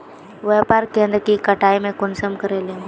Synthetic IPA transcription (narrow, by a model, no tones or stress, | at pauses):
ʋeːpaːɾkẽːnd̪ɾkikəʈaːimẽkʊnsəmkəɾeːlĩ